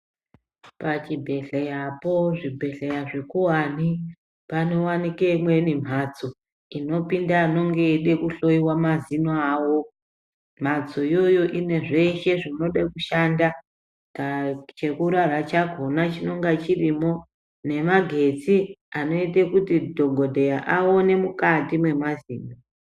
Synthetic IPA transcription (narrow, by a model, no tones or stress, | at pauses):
pat͡ʃibʱe̞ɬejapo̞ʐibʱe̞ɬejaʐekuɦani | pano̞wanikeimwe̞nim̤at͡so | ino̞pindaːno̞ŋɡeːɗekuɬo̞iwamazinoaːwo̞ | m̤at͡so̞ijo̞jo̞ʔine̞ʐe̞ʃe̞ʐino̞ɗakuʃanda | at͡ʃe̞kuɾarat͡ʃaɡʱo̞nat͡ʃino̞ŋɡat͡ʃirimo̞ | ne̞maɡʱe̞t͡siano̞itekutidʱo̞ɡʱo̞dʱe̞jaʔaone̞mukatimwe̞maziːno